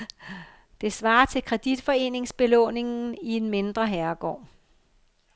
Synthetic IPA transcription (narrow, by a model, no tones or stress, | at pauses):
d̥e̝sʋɑ̈ːɐt͡sʰe̝lkʰʁɛd̥id̥fɒ̽e̝̰ːne̝ŋsb̥e̝lɔ̰̽ːne̝ŋnn̩ienme̝nd̥ʁɐɦæɐɡ̥ɒ̰ː